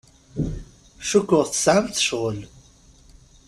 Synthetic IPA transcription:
ʃukːʊʁθə̥sʕamθə̥ʃʁəl

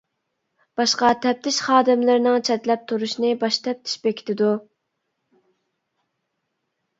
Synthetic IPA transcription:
b̥ɑʃqɑt̪ʰɛp̚t̪ʰɪʃχɑːd̪ɪmlɪɾnɪŋt͡ʃʰɛt̪lɛp̚t̪ʰuɾuʃnɨbɑʃt̪ʰɛp̚t̪ʰɪ̥ʃbɛkʲi̥t̪ʰɪd̪u

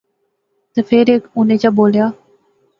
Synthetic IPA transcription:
t̪əfʰeːɾeːkʊnẽːt͡ɕaːboːljaː

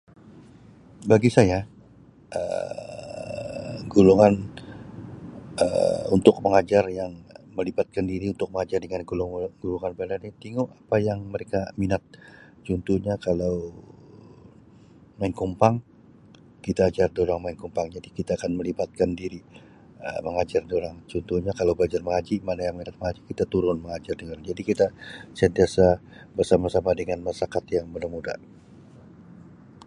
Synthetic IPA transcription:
baɡisaja | ə̰ | ɡuluŋan | ə̰ṵnt̪ʊk̚məŋad͡ʒarjaŋməlibat̪̚kandiɾiunt̪ʊk̚məŋad͡ʒardəŋanɡulŋɡ̥uluŋanbadaɲat̪iŋuʔapajaŋməɾekaminat̪̚ | t͡ʃunt̪uhɲakalaw | maɪnkumpaŋ | kit̪aːd͡ʒardioɾaŋmaɪnkumpaŋd͡ʒadikit̪aːkanməlibat̪̚kandiɾi | ə̰məŋad͡ʒardioɾaŋt͡ʃunt̪uhɲakalawbad͡ʒarməŋad͡ʒimanajaŋminat̪̚məŋad͡ʒikit̪at̪uɾʊnməŋad͡ʒardəaoɾaŋd͡ʒadikit̪asənt̪iasa | bərsamasamadəŋanmasakat̪jaŋbənamuda̰

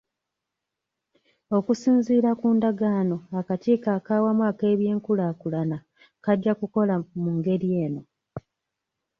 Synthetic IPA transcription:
o̞kusiːnziːɾakuːndaɡaːno̞akaciːkaːkaːwamwake̞ːβje̞ːŋkulaːkulana | kaɟːakuko̞lamuŋɡe̞ɾje̞ːno̞

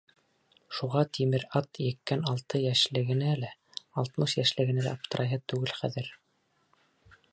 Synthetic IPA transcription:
ʃuʁɑt̪ʰimɘɾɑt̪jɘ̆kːænɑlˠt̪ɤjæʃlɘ̆ɡɘ̆nælæ | ɑlˠt̪mɤʃjæʃlɘ̆ɣɘ̆nælæ̰ːp̚t̪ʰɤ̆ɾʔɑjɦɤt̪ʉɡɘlχæðɘɾ

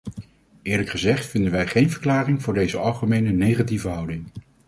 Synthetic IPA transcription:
ɪːɹləkχəzɛχtfɪndənʋɛjχejnvəɹklaːrɪŋvʊːɹdejzəɑlˠχəmejnənejχativəɦʌwdɪŋ

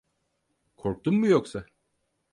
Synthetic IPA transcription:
kʰo̞ɾk̚t̪ummujoksa

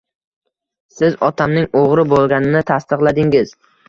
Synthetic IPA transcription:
sɪzɒt̪ʰamnɪŋoʁɾɪbolˠɡʲanɪnɪt̪ʰast̪ɨqlˠad̪ɪŋɪz̥

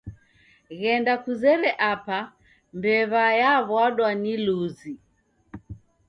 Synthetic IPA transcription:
ɣɛndakuzɛɾɛʔapa | mbɛβajaβwaɗwaniluzi

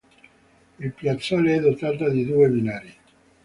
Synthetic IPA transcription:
ilpjat̪sːaːleɛd̪ot̪aːt̪̬ad̪id̪uːebinaːɾi

